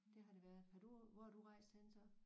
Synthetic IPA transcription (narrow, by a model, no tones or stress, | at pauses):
d̥e̝ɦɑ̈ɾ̥e̝ʋæɐð̩ˠfæd̥uʋɒd̥uʁɑ̈ɪsensɐ